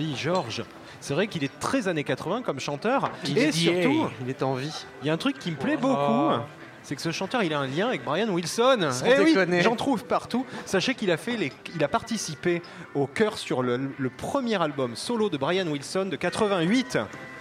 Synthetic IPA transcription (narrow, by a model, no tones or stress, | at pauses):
wiʒɔʁʒ | sɛvʁɛkilɛt̪χɛzanekat̪χəvɛ̃kɔmʃɑ̃t̪œʁiesyʁt̪uilɛt̪ɑ̃viiljaɛ̃t̪χykːiməplɛboku | sɛkə̥səʃɑ̃t̪œʁilaɛ̃ljɛ̃avɛk̚bʁajanwilsɔnewinʒɑ̃t̪χuvpaʁt̪usaʃekilafɛleilapaʁt̪isipe | okʲœʁsyʁlələpχəmjɛʁalbɔmsɔlod̪əbʁajanwilsɔnd̪əkat̪χəvɛ̃ɥit̪